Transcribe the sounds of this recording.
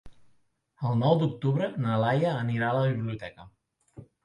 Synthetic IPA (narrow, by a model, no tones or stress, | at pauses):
əlˠnɔwd̪uk̚t̪ubɾənalajaːniɾalabibliut̪ɛka